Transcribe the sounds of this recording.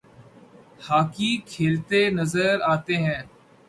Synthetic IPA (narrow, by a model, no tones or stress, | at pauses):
haːkikʰeːlt̪enəzəɾaːt̪eɦɛ̃ː